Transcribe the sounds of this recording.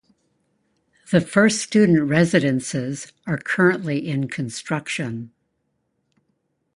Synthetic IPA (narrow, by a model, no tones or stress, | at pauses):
ðɨfɜ˞ststʉdⁿn̩ʔɹɛzɨɾɨ̃nsɪz | ə˞kʰɜ˞ɨ̃nʔliʔɪ̃nkʰɨ̃nstɹ̥ʌkʃɨ̃n